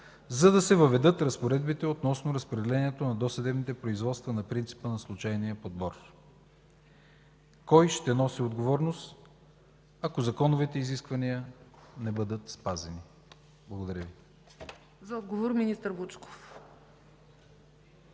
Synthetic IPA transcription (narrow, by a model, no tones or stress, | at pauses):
zɐd̪ɐsɛvəvɛd̪ɤt̪ɾɐspoɾɛd̪bit̪ɛot̪nɔsnoɾɐspɾɛd̪ɛlɛniɛt̪onɐd̪ɔsɛd̪ɛbnit̪ɛpɾoizvɔt̪st̪vənɐpɾint̪si̥pənɐslˠut͡ʃajniəpod̪̚bɔr | kɔjʃt̪ɛnɔsiod̪ɡovɔɾnost̪ | ɐkozɐkɔnovit̪ɛiziskvɐnijənɛbɤd̪ət̪spazɛni | blˠɐɡod̪ɐɾʲjəvi | zɐɔd̪ɡovoɾminist̪əɾbut͡ʃko̥f